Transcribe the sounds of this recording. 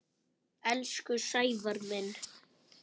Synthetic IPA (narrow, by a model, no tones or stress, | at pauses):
ɛlskʏsajvaɾmɛn